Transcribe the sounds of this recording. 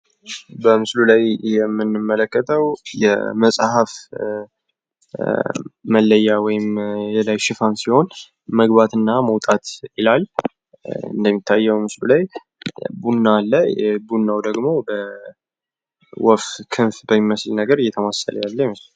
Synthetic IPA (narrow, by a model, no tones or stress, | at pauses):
bəmɨslulajjɛmːɨnːɨmːələkːət̪ʰəwjɛ̰məsʼhaf | məlːəjːawɔjɪmjɛlajʃɪfansiho̞n | məɡbat̪ɨnːaməwt̪ʼat̪ɪlal | ɨ̰nd̪əmːit̪ʰːajːɛwmɨslulaj | bunːalːəbunːawd̪əɡmo̞bə | wɔfkʰɨnfbəmːiməslnəɡəɾɨjɛt̪ʰəmasə̰lə̰jalːəhməsl